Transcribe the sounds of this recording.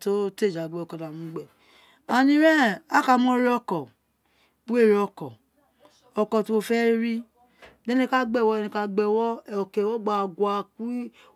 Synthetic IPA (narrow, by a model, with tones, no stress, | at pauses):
to˦te˦˨d͡ʒa˨ɡ͡bɛ˦o˨kɔ˧˨da˨mũ˨˦ɡ͡bɛ˦˨ | a˨nĩ˧ɾɛ̃˦˨a˦ka˧˨mɔ̃˦ɾi˦ɔ˧kɔ˨ | bu˦e˦˨ɾi˧˦ɔ˧kɔ˨ | ɔ˧kɔ˨ti˧˦wo˧fɛ˦ɾi˦ | dɛ˦nẽ˧˦ka˦ɡ͡bɛ˦˨wɔ˦˧nẽ˧ka˧ɡ͡bɛ˧˨wɔ˦˨ɔ˨ke˨wɔ˦ɡ͡ba˧˨ɡwa˧ku˦